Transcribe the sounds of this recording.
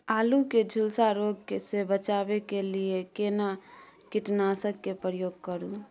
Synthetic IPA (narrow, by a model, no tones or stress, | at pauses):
aːluked͡ʒʱʊlsaɾoɡkesebət͡ʃaːbekeliekena | kɪʈnaːsəkːepɾəjoːɡ̚kəɾũ